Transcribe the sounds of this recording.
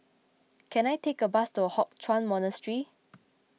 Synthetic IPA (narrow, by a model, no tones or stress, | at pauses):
kʰɛ̃najtekəbastuəhɔk̚tʰɹãnmɔnəstɹi